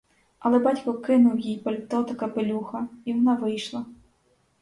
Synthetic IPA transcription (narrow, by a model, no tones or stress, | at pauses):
ɐlˠɛbatʲkɔkɪnuwjijpɐlʲt̪ɔt̪ɐkɐpɪlʲuxɐiwɔnaʋɪjʃlˠɐ